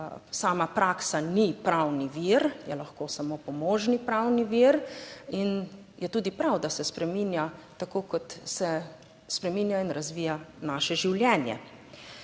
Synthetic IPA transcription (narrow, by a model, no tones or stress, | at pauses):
saːmapɾaːksanipɾawniʋiɾjɛlaxkoːsamoːpɔmoːʒnipɾawniʋiɾin | jɛt̪uːd̪ipɾawd̪asɛspɾɛminjat̪akoːkɔt̪sɛ | spɾɛmiːnjainɾazʋiːjanaːʃɛʒiwljɛːnjɛ̰